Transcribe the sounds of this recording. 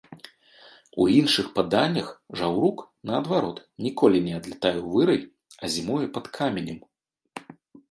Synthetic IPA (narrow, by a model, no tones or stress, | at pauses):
ṵinʂɨxpad̪anʲːɐxʐawɾuk | nɐːd̪vaɾɔt̪nʲikɔlʲinʲɛad̪lʲɛt̪ajɛwvɨɾɐj | ɐzʲimujɛpɐt̪kʰamʲɛnʲɐm